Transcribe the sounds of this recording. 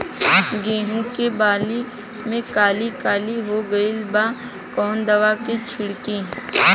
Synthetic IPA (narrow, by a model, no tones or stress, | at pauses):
ɡeːɦũkebaːli | mẽkaːlikaːliɦoɡɐilba | kɔːnd̪ɐʋaket͡ʃʰɪɽki